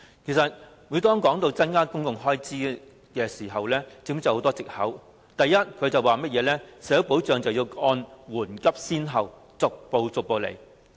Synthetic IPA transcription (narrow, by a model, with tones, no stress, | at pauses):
kʰe˨˩jsɐ˨t̚ | wu˨˧˥t̪ɔː˥ŋkɔː˨˥ŋt̪o˧wt͡sɐ˥nkaː˥kʊ˥ŋkʊ˨ŋɦɔː˥jt͡siː˥ | kɛː˧siː˨˩ɦɐ˨wlɛː˥t͡sɪ˨˧˥ŋm˥t͡sɐ˨˩ho˨˧˥t̪ɔː˥t͡sɪ˨k̚hɐ˨˥w | t̪ɐ˨jːɐ˥t̚kʰɵ˨˧ɥt͡sɐ˨waː˨mɐ˥t̚jɛː˨˧lɛː˥sɛː˨˥ɐ˥wpo˨˥wt͡ʃœː˨˧ŋt͡sɐ˨wji˧wɔː˧nwuː˨˩nkɐ˥p̚siː˥nɦɐ˨w | t͡sʊ˨k̚po˨wt͡sʊ˨k̚po˨wlḛ˨˩j